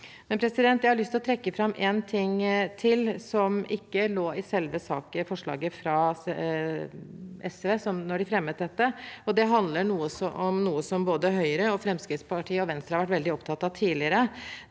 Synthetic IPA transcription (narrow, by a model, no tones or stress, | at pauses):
mɛnpʰɾɛsɪd̪ɛnt̪jæɪhɑɾɭʏst̪lɔt̪ʰɾɛkːəfɾɑmːʔɛːnt̪ʰɪŋt̪ʰɪlsɔmʔɪkːəloːɪsɛlʋəsɑ̰ːkəfɔʂɭɑ̰ːɡəfɾɑ | ɛsʋeːsɔmnɔɖɪfɾɛmːət̪̚d̪ɛt̪ːəɔd̪ɛɦɑnd̪ləɳuːəsɔʔɔmnuːəsɔmboːd̪əɦœʏəɾəɔfɾɛmskɾɪt̪spɑʈʰiːəɔʋɛnst̪ɾəhɑɾʋæʈ̬ːʋɛld̪ɪɔpt̪ʰɑt̪ːɑt̪ʰiːlɪəɾə